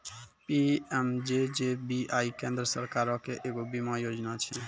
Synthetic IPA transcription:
piɛmd͡ʒed͡ʒebiaikẽːnd̪ɾəsəɾkaɾɔ̃keʔeːɡobimajoːd͡ʒnat͡ʃʰɛ

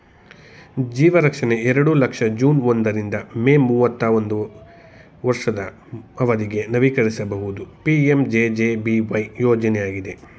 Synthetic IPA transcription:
d͡ʒiːʋɐɾɐkʂɐne̞ɛɾɐɽulɐkʂɐd͡ʒuːnond̪ɐɾind̪ɐme̞ːmuːʋɐt̪ːaːʋond̪u | ʋɐɾʂɐd̪ɐ | ɐʋɐd̪iɡe̞nɐʋikɐɾisɐbɐɦud̪upiemd͡ʒeːd͡ʒeːbiʋɐjjoːd͡ʒɐnejaːɡid̪e̞

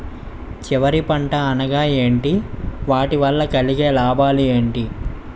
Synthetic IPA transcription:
t͡ʃiʋɐɾipɐɳʈɐɐnɐɡaːe̞ːɳʈiʋaːʈiʋɐlːɐkɐliɡeːlaːbaːlieːɳʈi

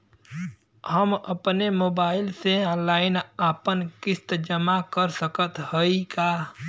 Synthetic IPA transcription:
həmə̰pnemoːbaːɪlseɔ̃laːɪnaːpənkɪst̪d͡ʒəmakəɾsəkət̪həikaː

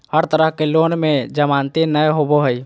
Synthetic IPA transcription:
həɾt̪əɾəɦkelonmed͡ʒəmant̪inəjɦoboɦəj

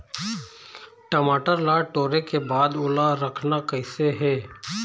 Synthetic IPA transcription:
ʈəmaːʈəɾlaːʈoːɾekebaːd̪ʊlaɾəkʰnakɛɪseɦɛː

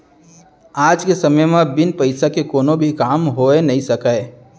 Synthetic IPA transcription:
aːd͡ʒkesɐməjmẽbɪnpəɪsakekoːnobʱikaːmɦoːenɐɦĩsɐkae

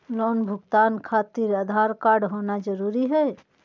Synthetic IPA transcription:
loːnbʱʊɡt̪aːnkʰaːt̪ɪɾəd̪ʱaɾkaːɾɖɦoːnad͡ʒəɾuːɾiɦɛː

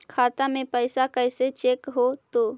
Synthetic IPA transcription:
kʰaːt̪amepəɪsakəɪset͡ʃekɦot̪o

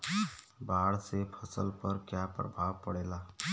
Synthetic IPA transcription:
baːɽsepʰəsəlpəɾkjapɾə̰bʱaːʋpəɽeːlaː

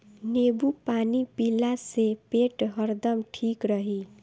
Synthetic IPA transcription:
nebupanipilːasepeʈɦʌɾd̪ʌmʈʰikɾʌɦi

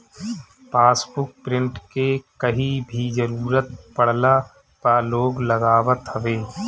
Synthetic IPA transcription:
paːsbʊk̚pɾɪ̃ɳʈkekəɦibʱid͡ʒəɾuːɾət̪̚pəɽ̤la | paːloːɡləɡaːwət̪həʋeː

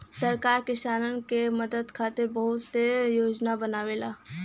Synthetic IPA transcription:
sɐɾkaːɾkɪʃaːnənkemɐd̪əd̪kʰaːt̪ɪɾbɐɦʊt̪sejoːd͡ʒnabɐnaːʋeːlaː

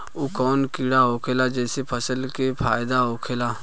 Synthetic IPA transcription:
ukɔːnkiɽaɦoːkʰeːlad͡ʒɛːsepʰəsəlkepʰaːjd̪aɦoːkʰeːlaː

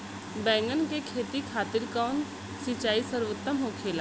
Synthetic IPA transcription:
bɛ̃ːŋɡənkekʰeːt̪ikʰaːt̪ɪlkaːn | sɪt͡ʃaːisəɾʋət̪ːəmɦokʰeːla

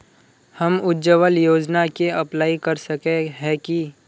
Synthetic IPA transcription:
hɐmʊd͡ʒəʋəljoːd͡ʒnakeɐplaːikɐɾsəkeɦɛki

